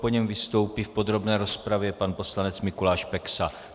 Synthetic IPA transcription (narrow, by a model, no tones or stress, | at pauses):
poɲɛmvɪst̪o̞wpifpo̞d̪ɾo̞bnɛːɾo̞spɾavjɛpanpo̞slanɛt͡smɪkulaːʃpɛksa